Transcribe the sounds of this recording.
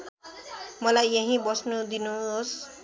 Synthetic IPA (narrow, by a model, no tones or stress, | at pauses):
mʌlajʌɦĩbʌsnud̪inuɦos